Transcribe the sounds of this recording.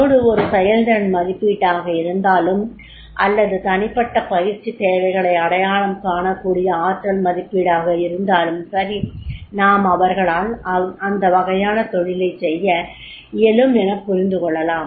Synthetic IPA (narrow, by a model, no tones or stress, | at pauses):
oːɽɯɔɾɯsɛjɐld̪ɐɾɐnmɐðɪpːiːʈːaːɣɐɪɾɯnd̪aːlɯm | ʔɐ̰lːɐðɯt̪ɐnɪpːɐʈːɐpɐjɪɾt͡ʃːit̪eːʋɐɪɣɐɭɐɪɐɽɐjaːɭɐmkaːɳɐkːuːɽɪjɐaːʈ̪ɾɐlmɐðɪpːiːɽaːɣɐɪɾɯnd̪aːlɯmsɐɾinaːmɐʋɐɾɣɐɭaːlɐɐnd̪ɐʋɐɣɐjaːnɐt̪ɔɭɪlɐɪsɛjːɐ | ɪjɛlɯmɛnɐkːʊɾɪnd̪ɯkɔɭːɐlaːm